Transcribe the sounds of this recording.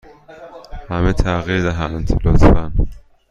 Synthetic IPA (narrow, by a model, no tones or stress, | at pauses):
hæmet̪ʰæɣiɾd̪æɦænt̪ʰelɒːsfæn